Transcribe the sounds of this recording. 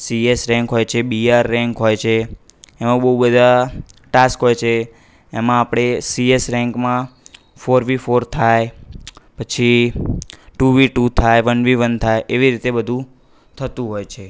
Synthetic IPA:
siesɾɛ̃ŋkɦojt͡ʃʰebiaɾːɛ̃ŋkɦojt͡ʃʰeː | mãbəɦubəd̪ʱaʈaskɦojt͡ʃʰeː | mãːpɽ̃esiesɾɛ̃ŋkmã | foɾʋifoɾt̪ʰajpət͡ʃʰi | ʈuʋiʈut̪ʰajʋənʋiʋənt̪ʰajʔeʋiɾit̪ebəd̪ʱũ | t̪ʰət̪ũɦojt͡ʃʰe

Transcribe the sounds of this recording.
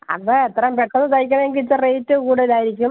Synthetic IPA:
ɐ̰ðɐet̪ːrɐmpeʈːɐnːɨt̪ɐjkʲːɐɳeŋɡit͡ɕːɨrejtːɨkuːɽeilaːjiɾikʲːum

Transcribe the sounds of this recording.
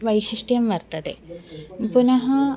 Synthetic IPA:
ʋɐjʃiʂʈijɐmʋɐɾt̪ɐd̪ḛ | punɐɦɐ

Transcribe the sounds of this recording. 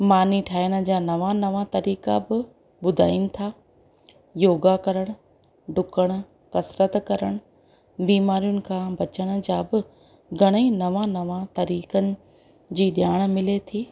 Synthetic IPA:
maːniʈʰaːɪjəɽ̃ə̆d͡ʑaːnɐʋanɐʋat̪ɐɾiːkabɪ | ɓʊd̪ʱa̰ːɪinɪ̆t̪ʰaː | joːɡakɐɾəɽ̃ʊ | ɖʱʊkəɽ̃ʊ̆ | kɐsɾət̪kɐɾəɽ̃ʊ | biːmaːɾijʊnɪ̆kʰãːbɐt͡ɕəɽ̃ə̆d͡ʑaːbɪ | ɡʱɐɽ̃einɐʋanɐʋãt̪ɐɾiːkənɪ̆ | d͡ʑiːɗjaːɽ̃̆mɪlet̪ʰiː

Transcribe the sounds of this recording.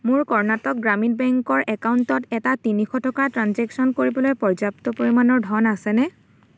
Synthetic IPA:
mʊɹkɔɹnatɔk̚ɡɹamit̚bɛŋkɔɹʔɛkauntɔtɛtatinixɔtʰɔkatɹanzɛksɔnkoɹibɔlojpɔɹzaptɔpoɹimanɔɹdʱɔnasɛnɛ

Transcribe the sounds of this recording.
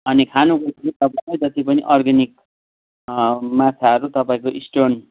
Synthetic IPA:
ʌnikʰanukʌt̪ʰikit̪ʌpalʌjt̪ʌt̪ipʌnḭʔʌrɡʌnik | mat̪ʰaɦʌɾut̪ʌpaĩkoʔisʈon

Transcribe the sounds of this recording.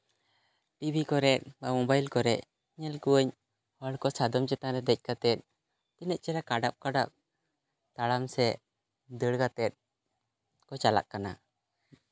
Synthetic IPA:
ʈibʱikɔɾɛt̪̚bamɔbajlkɔɾɛʔ | ɲɛlkuwəɲ | waɽkɔsad̪ɔmt͡ʃɛt̪aɾɛd̪ɛc̚ˀkat̪ɛt̪̚ | t̪inɛt̪̚t͡ʃɛɾakaɖap̚kaɖa̰p̚ | t̪aɽamsɛ | d̪əɽkat̪ɛt̪̚ | kɔt͡ʃala̰ʔkːana̰

